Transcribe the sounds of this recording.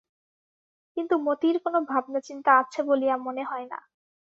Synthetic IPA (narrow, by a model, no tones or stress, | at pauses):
kint̪umot̪iɾkonobʱab̚nat͡ɕint̪aat͡ɕʰebolijamoneɦɔena̰